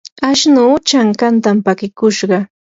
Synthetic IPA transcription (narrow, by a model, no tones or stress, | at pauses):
aʃnuːt͡ʃaŋkant̪ampakɪkʊʃɢɑ